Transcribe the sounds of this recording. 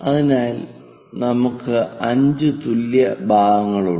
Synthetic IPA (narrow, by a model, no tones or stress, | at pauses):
ɐðinaːl | nɐmukːɨɐɲd͡ʑɨt̪uljɐbʱaːɡɐŋːɐɭu